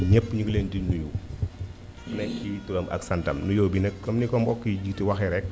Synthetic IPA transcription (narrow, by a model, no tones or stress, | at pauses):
ɲɛpːɲukleːndinːuju | nɛkkiwituɡɐmʔɐ̰ksɐntɐmnujɔːbinɛk̚kɔmnikɔmbɔkːiɟik̚tiwɐxɛɾɛk̚